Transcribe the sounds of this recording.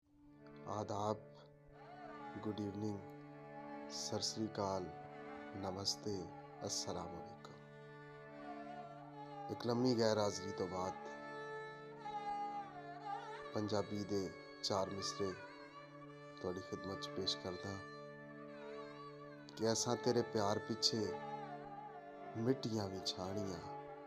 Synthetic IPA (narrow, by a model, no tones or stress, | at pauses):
a̰ːd̪aːb̚ | ɡʊɖiːʋnɪ̃ŋɡ | səɾsɾiːkaːl | nɐməst̪e | ɐsəlaːmɐlɪkː | ekləmbiɣɛːɾaːzɾiːt̪obaːd̪ | pəɲd͡ʒaːbiːd̪eː | t͡ʃaːɾmɪsɾeː | t̪ʊaːɽiːxɪd̪mət̪t͡ʃpeːʃkəɾd̪eɛ̃ː | kɪəsãːt̪eːɾeːpjaːɾpɪt͡ʃʰeː | mɪʈɪjãːʋɪt͡ʃʰaːɽ̃ɪjãː